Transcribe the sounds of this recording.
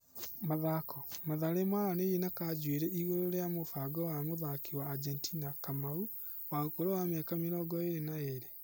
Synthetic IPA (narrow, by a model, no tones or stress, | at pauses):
maðakʰɔmaðaɾemaɾanejenakad͡ʒweɾɛiɣoɾoɾeamofaɡɔwamoðakiwaːd͡ʒɛntinakamau | waokoɾowamɛkameɾɔːɡɔeɾenaeɾe